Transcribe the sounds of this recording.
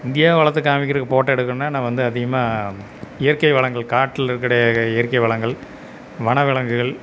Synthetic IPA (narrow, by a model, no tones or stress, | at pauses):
ɪnd̪ɪjaːʋɐɭɐt̪ːɯkːaːmɪkːɪɾɯkːɯpoːʈːɛɽɯkːɯɾɯmnːaːnãːʋɐnd̪ɯɐðɪɣɐmaː | ɪjɐɾkɐɪʋɐɭɐŋɡɐɭkaːʈːɪlɪɾɯkːɐɽɐjɐɪjɐɾkɐɪʋɐɭɐŋɡɐɭ | ʋɐɳɐʋɪɭɐŋɡɯɣɐɭ